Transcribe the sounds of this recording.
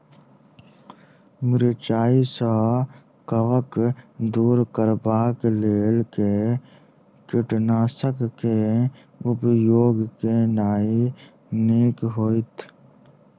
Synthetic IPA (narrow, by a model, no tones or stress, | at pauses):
mɪɾt͡ʃaːisaɦ | kəʋəkd̪uːɾkəɾbaːkleːlke | kɪʈnaːsəkːe | ʊpjoːɡkenaːi | niːkɦoːit̪ʰ